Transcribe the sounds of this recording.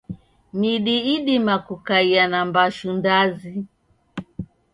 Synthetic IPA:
miɗiiɗimakukaianambaʃundazi

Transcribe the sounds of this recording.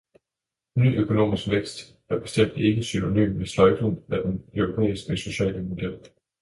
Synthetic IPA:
ny̰ːʔøkʰo̝no̝̰ːmisɡ̥ʋeɡ̥sd̥ | æɐb̥e̝sd̥em̰d̥e̝ɡ̥əsyno̝ny̰ːmʋeslɒɪd̥unæd̥enœʊʁo̝pʰḛːisɡ̥əso̝ɕɛ̰ːləmo̝d̥el̰

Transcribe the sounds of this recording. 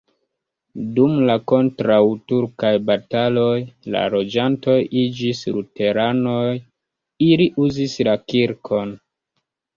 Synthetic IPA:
dumlako̞ntɾawtuɾkajbatalo̞jla̰lo̞d͡ʒanto̞jid͡ʒislute̞ɾanoj | iliʔuzislakiɾkʰo̞n

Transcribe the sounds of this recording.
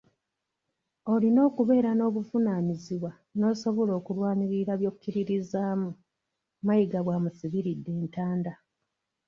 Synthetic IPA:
olino̞ːkuβe̞ːɾano̞ːβufunaːniziβwa | no̞ːso̞βo̞lo̞ːkulwaːniɾiɾaβjo̞ːkukːiɾiɾizaːmu | majiɡaβwaːmusiβiɾidːe̞ːntaːnda

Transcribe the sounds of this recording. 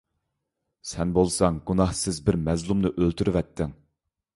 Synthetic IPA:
sɛnbolˠsɑŋɡunɑhsɪzbɪɾmɛzlˠumnɨʔølt̪ʰyɾyvɛt̪ʰːɪŋ

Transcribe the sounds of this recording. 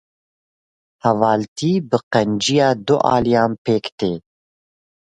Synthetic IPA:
hɛvɑːlt̪ʰiːbɨqɛnd͡ʒijɑːd̪ʊʔɑ̰ːlijaːmpeːkt̪eː

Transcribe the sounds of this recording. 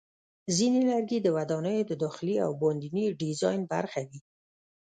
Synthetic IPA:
zinelaɾɡed̪əwad̪ɑnəjod̪əd̪ɔxɪlia̰wbɑnd̪iniɖizɑjnba̰ɾxawi

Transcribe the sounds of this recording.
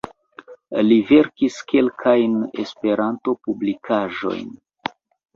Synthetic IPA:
live̞ɾkiske̞lkʰajnḛspe̞ɾanto̞publikʰaʒo̞̰jn

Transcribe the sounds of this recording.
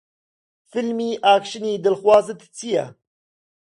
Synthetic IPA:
fɨlmiːʔaːkʃɨniːd̪ɨlxwɑːzɨt̪t͡sʰijɛ̰

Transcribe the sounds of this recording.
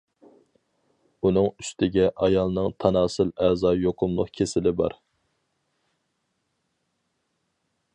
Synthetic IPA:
unɨŋyst̪ʰɪɡʲɛʔɑjɑlˠnɨŋt̪ʰɑnɑːsɨlɛzɑːjoqʰʊmlˠʊ̰qkʲʰesɪlɪbɑ̰ɾ

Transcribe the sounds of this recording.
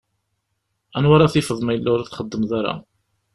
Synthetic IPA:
ænwaɾaθɪfəðˤmæjəlːʊɾaθχəd̪ːəmðaɾa̰

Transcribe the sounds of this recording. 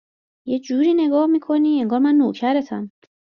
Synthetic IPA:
jed͡ʒuːɾiːne̞ɡɒːhmiːkʰo̞niːeŋɡɒːɾmænːocʰæɾet̪ʰan

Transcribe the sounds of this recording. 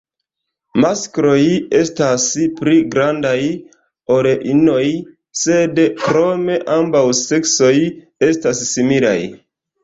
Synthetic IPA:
maskɾo̞je̞staspɾiɡɾandaj | o̞ɾeʔino̞j | se̞dkɾo̞me̞ʔambawse̞kso̞j | e̞stasːimila̰j

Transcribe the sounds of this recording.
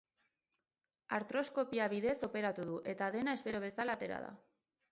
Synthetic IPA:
aɾt̪ɾo̞sko̞piaβiðe̞so̞pe̞ɾat̪uðuʔe̞t̪aðe̞nae̞spe̞ɾo̞β̞e̞salat̪e̞ɾa̰ða̰

